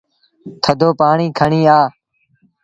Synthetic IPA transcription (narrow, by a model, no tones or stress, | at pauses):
t̪ʰəd̪oːpaːɳiːkʰəɳiːaː